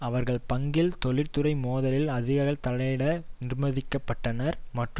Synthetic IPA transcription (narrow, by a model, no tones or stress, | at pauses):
ɐʋɐɾɣɐɭpɐŋɡɪlt̪ɔɭɪɾt̪ɯɾɐɪmoːðɐlɪlɐðɪɣɐɾɐɭt̪ɐlɐɪɽɐnɪrmɐðɪkːɐpːɐʈːɐnɐɾmɐʈrɯm